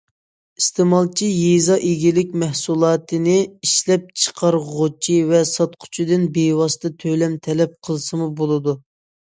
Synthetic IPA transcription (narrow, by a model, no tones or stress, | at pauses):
ist̪ʰemɑlˠt͡ʃʰijezɑʔeɡʲilɪkʲmɛhsulˠɑːt̪ʰɨnɪiʃlɛp̚t͡ʃʰə̥qʰɑɾʁot͡ʃʰivɛsɑt̪qʰʊ̥t͡ʃʰid̪ɪnbewɑst̪ɨt̪ʰøjlɛmt̪ʰɛlɛp̚qʰəlˠsɨmubolˠɨd̪u